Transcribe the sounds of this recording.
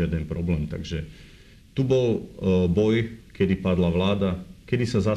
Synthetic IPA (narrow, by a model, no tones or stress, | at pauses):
ɪad̪ɛnpɾɔblɛːmt̪a̰ɡʒɛ | t̪ubɔlbɔjkɛd̪ipad̪laʋlaːd̪akɛd̪isaza